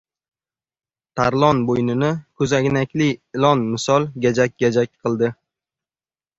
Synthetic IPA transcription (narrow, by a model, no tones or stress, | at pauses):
t̪ʰaɾlˠɒnbojnɪnɪkʰɵzaɡʲnakʲlɪɪlˠɒnmɪsɒlˠɡʲad͡ʒak̚ʲɡʲad͡ʒakʲqʰɨlˠd̪ɪ